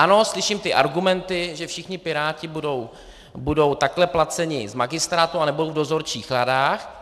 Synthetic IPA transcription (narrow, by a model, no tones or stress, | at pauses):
ʔano̞slɪʃimt̪ɪʔaɾɡumɛnt̪ɪʒɛfʃɪxɲɪpɪɾaːcɪbudo̞w | budo̞wt̪aklɛplat͡sɛɲɪzmaɡɪst̪ɾaːt̪uanɛbudowvdo̞zo̞ɾt͡ʃiːxladaːx